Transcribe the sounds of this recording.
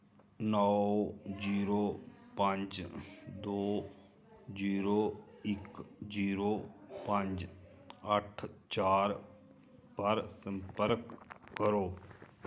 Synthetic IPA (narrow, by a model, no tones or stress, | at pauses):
nɔod͡ʒiːɾoːpə̃ɲd͡ʒd̪oː | d͡ʒiːɾoːɪkd͡ʒiːɾoːpə̃ɲd͡ʒ | əʈʰt͡ʃaːɾ | pəɾsə̃mpəɾkːəɾoː